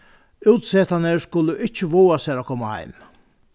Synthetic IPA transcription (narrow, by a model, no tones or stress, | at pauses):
ʉːt̪seːt̪anəɾskʊlːəʔɪt͡ʃːəʋuːasæːɾɔkʰɔmaha̰ɪm